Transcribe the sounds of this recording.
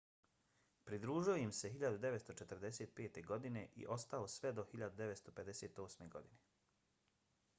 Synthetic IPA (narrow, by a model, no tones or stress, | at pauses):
pɾid̪ɾuːʒioimse̞ɦiʎad̪ud̪e̞ʋet̪st̪o̞t͡ʃet̪ɾd̪eseːt̪̚peːt̪e̞ɡo̞d̪ine̞ʔḭʔo̞st̪ao̞sʋed̪o̞xiʎad̪ud̪eʋet̪st̪o̞pe̞d̪eseːt̪o̞ːsme̞ɡo̞d̪ine